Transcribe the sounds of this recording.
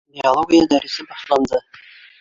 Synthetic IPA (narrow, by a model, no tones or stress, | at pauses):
bialˠoɡʲijɑd̪æɾɪsɪbɑʃlˠɑnd̪ə